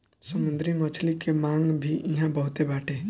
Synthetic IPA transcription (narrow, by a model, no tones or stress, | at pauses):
səmũnd̪ɾimət͡ʃʰlikemaŋɡbʱiʔiɦãbəɦut̪ebaːʈʰe